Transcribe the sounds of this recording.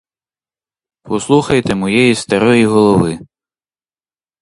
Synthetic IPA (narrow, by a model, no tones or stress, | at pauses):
pɔslˠuxɐjt̪ɛmɔjɛjist̪ɐɾɔjiɦɔlˠɔʋɪ